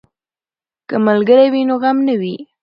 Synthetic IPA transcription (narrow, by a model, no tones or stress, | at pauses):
kəmalɡəɾawinoɣamnawi